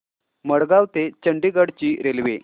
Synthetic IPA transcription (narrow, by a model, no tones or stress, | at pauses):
məɽɡaʋt̪et͡ɕəɳɖiɡəɽt͡ɕiːɾelʋe